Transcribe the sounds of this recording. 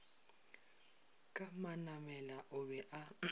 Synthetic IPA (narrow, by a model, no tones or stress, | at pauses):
kʼamanamɛlaʔʊbɛʔa